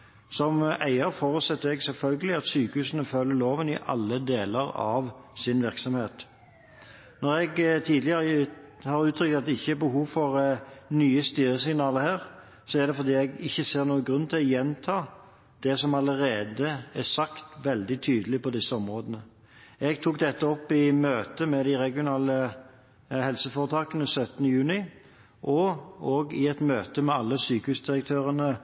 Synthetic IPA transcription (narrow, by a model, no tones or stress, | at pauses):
sɔmʔæɪəɾfɔːɾʉt̪sɛt̪ːəɛɡsɛlfœlɡəlɪɑt̪syːkəhʉːsənəfœlːəɾloːʋənɪ̰ʔɑ̰lːəd̪eːləʁɑ̰ʋsɪnʋɪʁksɔmheːt̪ | nɔɾɛɡt̪ʰiːd̪lɪəʁəhɑːɾʉːt̪ʰɾʏkt̪ɑt̪̚d̪ɛɪçːəæbəhuːʋfɔʁnyːəst̪yːɾəsɪŋnɑːləɾhæːʁ | sɔæd̪ɛfɔɾd̪iːɛɡɪçːəseːʁnuːəɡɾʉnːt̪ʰɪlɔjɛnt̪ʰɑː | d̪̥ɛsɔmɑləʁeːd̪əɛsɑkt̪ʋɛld̪ɪt̪ʰyːd̪əlɪpɔd̪ɪsːəɔmʁoːd̪ənə | ɛɡt̪ʰuːk̚d̪ɛt̪ːəɔpːɪmøːt̪əmɛd̪ɪʁɛɡɪʊnɑːlə | hɛlsəfoːʁət̪ʰɑːkənəsœt̪ːənəjʉːnɪ | ʔɔɔːɡɪɛt̪møːt̪əmɛɑlːəsyːkəʉsd̪ɪʁək̚t̪ʰøːʁənə